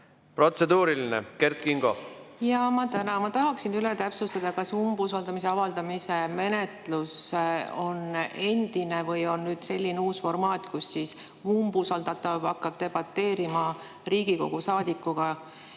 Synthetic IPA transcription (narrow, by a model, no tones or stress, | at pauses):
pro̞t̪se̞d̪uːɾilinḛkert̪̚kiŋɡ̥o̞̰jɑmɑt̪ænɑmɑt̪ɑɦɑksinylet̪æpsust̪ɑd̪̥ɑkɑsumbusɑld̪ɑmis̬e̞ɑvɑld̪ɑmise̞me̞ne̞t̪luso̞ne̞nd̪̥inevɤjo̞nːyːd̪̥se̞lʲːineuːsfo̞rmɑːt̪ːˑkusːis | umbusɑld̪ɑt̪ːˑɑvbɑkːɑb̚t̪e̞b̥ɑt̪ːe̞ːɾimɑ | riːɡ̥iko̞̰ɡ̥usɑːd̪̥ikːuɡ̥ɑ